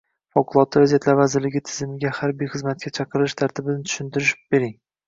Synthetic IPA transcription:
fɒqʊlˠɒt̪ʰːɪɾaziat̪laɾvazɪɾlɪɡʲɪt̪ʰɪzɪmɪɡʲahaɾbijχɨzmat̪̚kʲat͡ʃʰɑqʰɨɾɪʃt̪ʰaɾt̪ʰɪbɪnɪt̪ʰʊ̥ʃɪnt̪ʰɪɾɪʃɪ̥pbeɾɪŋ

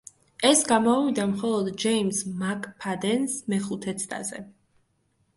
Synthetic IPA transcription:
ɛsɡamɔvid̪amχɔlˠɔd̪d͡ʒɛimsmakʼpʰad̪ɛnsmɛχut̪ʰɛt̪sʰt̪ʼa̰zɛ̰

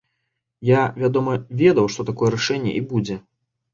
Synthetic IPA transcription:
javʲad̪ɔmɐvʲɛd̪ɐwʂt̪ɔt̪akɔjɛɾaʂɛnʲːɛ̰ʔibud͡zʲɛ

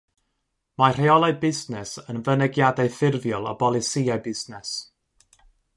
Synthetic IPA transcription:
mar̥eɔlˠaɨbɪznɛsənvənɛɡjadaɨθɪrvjɔlˠɔ̰bɔlˠɪsiabɪznɛs

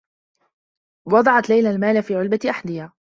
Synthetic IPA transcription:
wɑd̪ˤɑʕɑt̪lajlalmaːlafiːʕʊlbaʔaħd̪ɪhaː

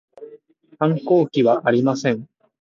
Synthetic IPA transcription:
hãŋko̞ːkʲiβaʔaɾʲimasẽ̞ɴ

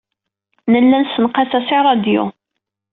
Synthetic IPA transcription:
nəlːænsənqɑsæsiʕɾˤɑd̪jṵ

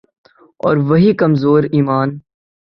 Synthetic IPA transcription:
ɔ̰ːɾʋɐɦikɐmzoːɾiːmaːn

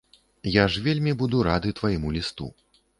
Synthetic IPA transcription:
jaʐvʲelʲmʲibud̪uɾad̪ɨt̪vajimulʲist̪ṵ

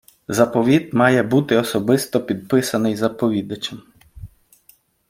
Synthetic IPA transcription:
zɐpɔʋʲid̪mɑjɛbut̪ɪɔsɔbɪst̪ɔpʲid̪̚pɪsɐnɪjzɐpɔʋʲid̪ɐt͡ʃʲɐm

